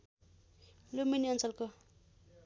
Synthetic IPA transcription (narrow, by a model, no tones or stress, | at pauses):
lominiʌnt͡sʌlko